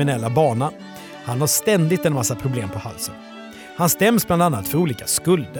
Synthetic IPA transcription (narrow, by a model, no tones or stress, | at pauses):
ɪnɛlːabɑːɳa | hanhaʂt̪ɛnd̪ɪt̪ɛnmasːapʰɾʊbleːmpʰɔha̰lsə̰n | hanst̪ɛmːsbland̪anːat̪fœɾuːliːkaskɵld̪ə